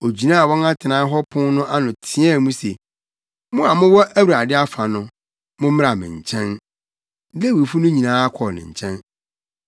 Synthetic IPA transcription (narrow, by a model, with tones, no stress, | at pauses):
o˨d͡ʑi˨nãː˦˨wɔ̃˦ŋa˦tʰɪ˨nãː˦ɦɔ˦pʰʊ̃˦nʊ̃˦ʔa˦nʊ̃˨tʰɪ̃˨˦ɛ˦˨mũ˦se˨ | mʊ̃˦a˨mʊ̃˦wɔ˦ʔæ˦wu˨ɾa˨dɪ˦a˦fa˨nʊ̃˦ | mʊ̃˦m̩˦m˦a˨mɪ̰̃˨ɲ̩˨t͡ɕʰɛ̃˦n˦ | le˦wi˨fu˦nʊ̃˦ɲĩ˨nãː˦a˦kʰɔ˨nɪ̰̃˨ɲ̩˨t͡ɕʰɛ̃˦n